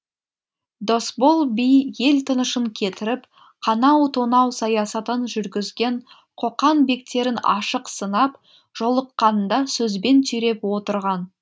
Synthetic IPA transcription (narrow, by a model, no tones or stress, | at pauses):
d̪o̞sbo̞lˠbijje̞lt̪ʰənəʃəŋkʲʰe̞t̪ɪɾɪp | qʰɑnɑwt̪ʰonɑwsɑjɑsɑt̪ənʒʏɾɡʲɪzɡʲe̞ɴ | qʰo̞qɑnbe̞k̚t̪e̞ɾɪnɑ̰ʃəqsənɑp | ʒ̥o̞lˠəqːɑnnd̪ɑsɵzbe̞nt̪ʰʏɾe̞pwo̞t̪əɾʁɑn